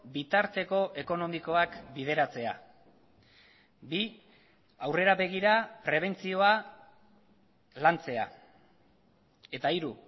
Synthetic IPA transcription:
bit̪aɾt̪e̞ko̞ʔe̞ko̞no̞miko̞akbið̞e̞ɾat͡se̞a̰ | bi | awre̞ɾaβe̞ɣ̞iɾapɾe̞β̞e̞nt͡sio̞a | lant͡se̞a̰ | e̞t̪aiɾu

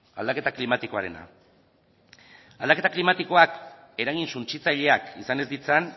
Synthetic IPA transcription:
a̰ld̪ake̞t̪aklimat̪iko̞aɾe̞na̰ | ald̪ake̞t̪aklimat̪iko̞ak | e̞ɾaɣinsunt͡ʃit͡saʎe̞akisane̞zd̪it͡san

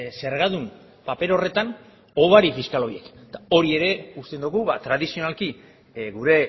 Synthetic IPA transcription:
se̞ɾɣaðum | pape̞ɾo̞re̞t̪an | o̞βaɾifiskalo̞jie̞kt̪ao̞ɾie̞ɾe̞ust̪e̞nd̪uɣuβat̪ɾað̞isio̞nalki | ɣuɾe̞

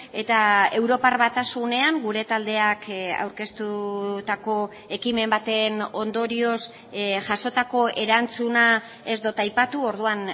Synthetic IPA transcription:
e̞t̪ae̞wɾo̞parβat̪asune̞aŋɡuɾe̞t̪ald̪e̞aka̰wɾke̞st̪ut̪ako̞ | e̞kime̞mbat̪e̞no̞nd̪o̞ɾio̞s | ʝaso̞t̪ako̞ʔe̞ɾant͡suna | e̞zd̪ot̪ajpat̪uo̞ɾð̞uan

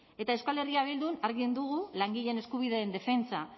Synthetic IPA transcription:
e̞t̪ae̞skale̞riaβeld̪unaɾɣind̪uɣulaŋɡiʎe̞ne̞skuβ̞iðeend̪e̞fe̞nt͡sa

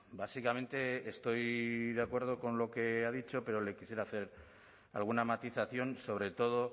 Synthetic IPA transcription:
basikamẽ̞nt̪e̞ːst̪o̞jðeakwe̞ɾð̞o̞ko̞nlo̞ke̞aðit͡ʃo̞pe̞ɾo̞le̞kisjeɾaθe̞ɾ | a̰lɣunamat̪iθaθjo̞nso̞β̞ɾe̞t̪o̞ð̞o̞

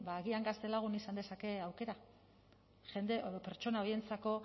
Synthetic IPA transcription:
baːɣiaŋɡast̪e̞laɣ̞unisand̪e̞sake̞awke̞ɾa | ʝe̞nd̪epe̞ɾt͡ʃo̞naoje̞nt͡sako̞

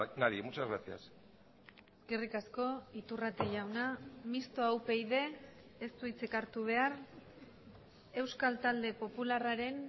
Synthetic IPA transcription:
naɾimut͡ʃazɣɾasia̰s | eskerikasko̞it̪urat̪e̞ʝawnamist̪o̞awpe̞jðe̞ːst̪uit͡sekaɾt̪uβ̞e̞ar | e̞wskalt̪ald̪e̞po̞pularaɾe̞n

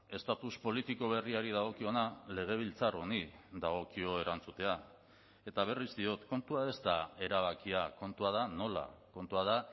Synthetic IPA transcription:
e̞st̪at̪uspo̞lit̪iko̞β̞e̞riaɾið̞aɣ̞o̞kio̞nale̞ɣ̞e̞β̞ilt͡saro̞niðaɣ̞o̞kio̞e̞ɾant͡sut̪e̞a | e̞t̪aβ̞e̞rizd̪io̞t̪ko̞nt̪uae̞st̪ae̞ɾaβ̞akiako̞nt̪uað̞ano̞la̰ko̞nt̪uað̞a

